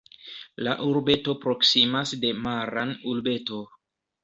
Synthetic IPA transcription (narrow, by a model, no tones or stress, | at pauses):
la̰ʔuɾbe̞to̞pɾo̞ksimasde̞maɾanulbe̞to̞